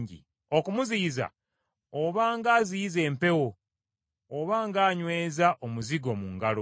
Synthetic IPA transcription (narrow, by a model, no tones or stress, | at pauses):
ɲɟḭ | o̞kumuziːza̰ | oβaːŋɡaːziːze̞ːmpe̞wo̞ː | βaːŋɡaːɲwe̞ːzaʔomuziɡo̞ːmuŋɡalo